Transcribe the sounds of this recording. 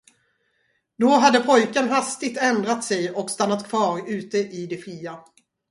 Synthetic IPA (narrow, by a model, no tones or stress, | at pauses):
d̪ɔɦad̪ːəpʰɔjkənɦast̪ɪɡ̚t̪ɛnd̪ɾat̪sɛjɔkst̪anːat̪kʰvɑːɾʉ̟ːt̪əʔɪd̪ɛɧiːa